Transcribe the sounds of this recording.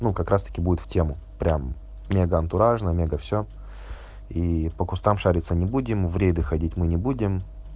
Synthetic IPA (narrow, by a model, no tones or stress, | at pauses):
nukɐkɾast̪ə̥kʲɪbudʲɪt̪ftʲe̞mʊ | pɾʲamːʲ | eɡəɐnt̪ʊɾaʐnəmʲeɡəfsʲo | ipəkʊst̪amʂaɾʲɪt̪sənʲɪbudʲɪmvɾʲed̪ɨxɐdʲitʲmɨnʲɪbudʲɪm